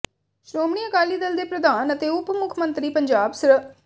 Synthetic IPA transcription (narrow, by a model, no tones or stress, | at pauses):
ʃɾoːmɳ̃iːəkaːliːd̪əld̪eːpɾəd̪aːnət̪eːʊpmʊkʰmə̃nt̪ɾiːpəɲd͡ʒaːbsɾ